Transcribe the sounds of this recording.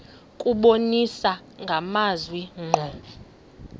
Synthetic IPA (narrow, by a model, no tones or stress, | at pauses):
kʼuɓonisa | ŋɡʱamazwiŋ͡ǃʱɔ